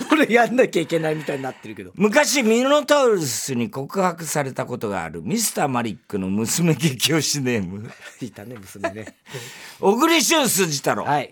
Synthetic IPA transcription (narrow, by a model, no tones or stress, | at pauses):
soɾeɡaanːakʲaikʲe̞naimʲit̪aiɲinat̪ːe̞ɾɯ̟ke̞d̪omɯ̟kaɕimʲinonot̪aɯɾɯsɨɲ̟iko̞kɯ̟hakɯ̟saɾe̞t̪ako̞t̪o̞ɡa̰ːɾɯ̟mʲisɨ̥t̪aːmaɾʲikːɯ̟no̞mɯ̟sɨme̞kekʲioɕine̞ːmɯ̟it̪anemɯsɨmne | oɡɯ̟ɾʲiɕõɰ̃sɨːʑit̪aɾo̰hai